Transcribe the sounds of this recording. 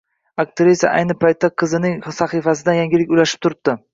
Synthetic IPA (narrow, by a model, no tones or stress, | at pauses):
ak̚t̪ʰɪɾɪsa̰ʔa̰jnɪpʰajt̪ːaqʰɨzɪnɪŋsaχifasɪd̪ajaŋɡʲɪlɪkʲʊjaʃɪ̥p̚t̪ʰʊɾɪp̚d̪ɪ